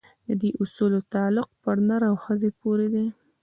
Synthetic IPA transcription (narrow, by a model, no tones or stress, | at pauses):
d̪əd̪eʔʊsulot̪ɑlʊq̚pəɾnəɾawxəzepoɾed̪e